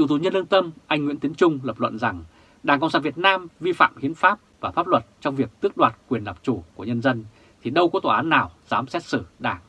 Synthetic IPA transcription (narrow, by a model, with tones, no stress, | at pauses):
t͡ɕu˨˧˩t̪u˨˩ɲə˧nlɨ˧nt̪ə˧mʔa˧jŋ̟ŋḭ˧˥t̪i˨˦ənt͡ɕʊ˧ŋ͡mləː˨˩p̚lwə̰˧˨nza˨˩ŋ | ɗaː˧˩ŋkə̰˧˨ŋ͡msaː˧˩vi˨˩ə˩t̚naː˧mvi˧fa̰ː˧˨mhi˨˦ənfaː˦˥p̚vaː˨˩faː˦˥p̚lwə˨˩t̚t͡ɕɔ˧wŋ͡mvi˨˩ək̚t̪ɨ˦˥ək̚ɗwaː˨˩t̚kwi˨˩ənlaː˨˩p̚t͡ɕu˧˩ku˧˩əɲə˧nzə˧n | t̪ʰi˨˩ɗə˧wkɔ˨˦t̪oː˨˩ʔaː˨˦nːaː˨˩wz̥aː˨˦msɛ˦˥t̚sɨ˧˩ɗaː˧˩ŋ